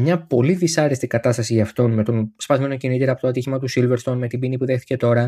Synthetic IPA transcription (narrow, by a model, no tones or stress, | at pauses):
mɲɐpo̞liðisɐɾest̪ikɐt̪ɐst̪ɐsiɐft̪o̞nme̞t̪o̞nspɐzme̞nocinit̪eɾɐpo̞t̪oɐt̪içimɐt̪usilve̞ɾst̪o̞nme̞t̪ibinipuðe̞xθi̥ce̞t̪o̞ɾɐ